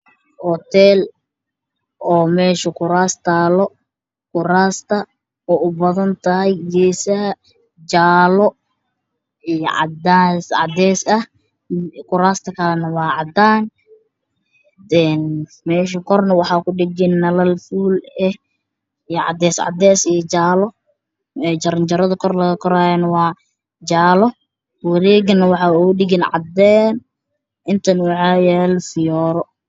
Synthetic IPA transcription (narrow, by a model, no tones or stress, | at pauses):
hɔt̪ʰɛːl | ʔɔːmɛːʃɐkʊɾaːst̪ʰaːlɔ | kʊɾaːst̪ʰɐ | ɔːʊbɐðɐnt̪ʰɐɦɛjd͡ʒɛːsɐhɐ | d͡ʒaːlɔ | ijɔ̰ʕɑ̰d̪aːsʕɑ̰d̪ɛːsɐh | kʊɾaːst̪ʰɐkʰɐlɛnɐwɑːʕɑd̪aːn | ɛn | mɛːʃɐkʰɔrnɐwɑħɑːkʊɖɪɡɪnːɐlɐlfuːlɛh | ijɔʕɑ̰d̪ɛːsʕɑ̰d̪ɛːsijɔt͡ʃaːlɔ | t͡ʃɐɾɐnt͡ʃɐɾɐðɐkʰɔrlɐɣɐkʰɔɾaːjɛnɐwɑː | d͡ʒaːlɔ | wɐɾɛːɣɐnɐwɑħɑːuɖɪɡɪnʕɑ̰d̪ɛːn | ʔɪnt̪ʰɐnwɑħɑjɛːlfɪjɔːɾɔ